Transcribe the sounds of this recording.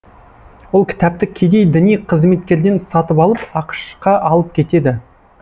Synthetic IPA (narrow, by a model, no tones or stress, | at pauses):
wo̞lˠkʲʰɪ̥t̪æp̚t̪ɪkʲʰe̞d̪e̞jd̪ɪnijqʰəzme̞t̪̚kʲe̞ɾd̪e̞nsɑt̪əpɑlˠəpɑqə̥ʃqɑʔɑlˠəp̚kʲʰe̞t̪e̞d̪ɪ